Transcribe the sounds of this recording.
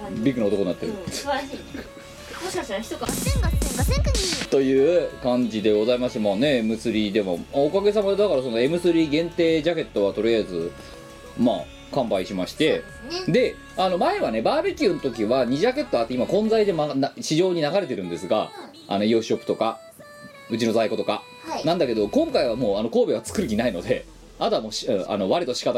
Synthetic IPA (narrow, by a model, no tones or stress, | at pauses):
bʲikːɯ̟nao̞t̪okonːat̪ːeɾɯ̟s | moɕkaɕt̪aɾaçi̥t̪okaenae | t̪o̞jɯ̟ːkãɲd͡ʑid̪e̞ɡo̞zaimasɨ̥t̪emaːne̞emɯ̟sɨɾʲid̪e̞mo̞̰maokaɡe̞s̬amad̪akaɾaso̞no̞e̞mɯ̟sɨɾʲiɡẽ̞nt̪e̞ːʑake̞t̪ːo̞βat̪o̞ɾʲijaizɨ | ma̰ː | kãmbaiɕimaɕi̥t̪e̞ | d̪e̞ | ano̞mae̞βane̞baːbekʲɯ̟not̪o̞kʲiβaɲ̟iʑake̞t̪ːoat̪ːeimakõ̞nd͡zaid̪e̞manaɕiʑo̞ːɲ̟inaɡaɾe̞t̪e̞ɾɯ̟̃nd̪e̞sɨɡa̰ | a̰no̞jɯːɕo̞pːɯ̥t̪o̞ka | ɯ̟t͡ɕino̞zaiko̞t̪o̞ka | nãnd̪ake̞d̪o̞kõ̞ŋkaiβamoːano̞ko̞ːbe̞βat͡sɨ̥kɯɾɯ̟kʲinaino̞d̪e̞ | at̪oamoːɕɯ̃a̰no̞βaɾʲit̪o̞ɕi̥kat̪